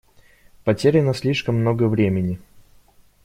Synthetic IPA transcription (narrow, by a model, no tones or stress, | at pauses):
pɐtʲeɾʲɪnəsʲlʲiʂkəmːnoɡəvɾʲemʲɪnʲɪ